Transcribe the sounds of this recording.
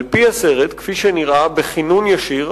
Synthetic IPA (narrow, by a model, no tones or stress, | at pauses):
lpiaseʁet̪kfiʃeniʁabeχinunjaʃiʁ